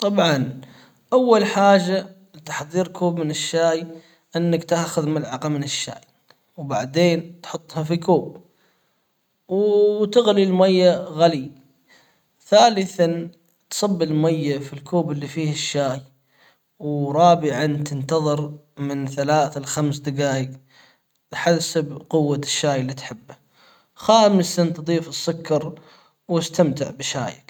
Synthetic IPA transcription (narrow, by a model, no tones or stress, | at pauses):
t̪ˤɑbʕɑn | ʔawːalħaːʒːa | lɪt̪ḁħðˤiːɾkʰuːbmɪnɪʃːaːj | ʔɪnːakt̪aːxʊðmɪlʕɑqamɪnɪʃːa̰ːj | wbaʕd̪eːnt̪ħʊt̪ˤːhɑfikʰuːb̚ | wt̪ɪɣlilmajːaɣali | θaːlɪθan | t̪sˤɑbːilmajːafilkʰuːbɪlːifiːhɪʃːaːj | wɾˤɑːbɪʕant̪ɪnt̪ɑðˤɨɾmɪnθalaːθalxamsd̪ɪɡaːjɪɡ | lħasabqʊwːaʃːaːjɪlːit̪ħɪbːa | xaːmɪsant̪d̪ˤiːfɨsːʊkːɑɾˤ | wɪst̪amt̪ɪʕbɪʃa̰ːja̰k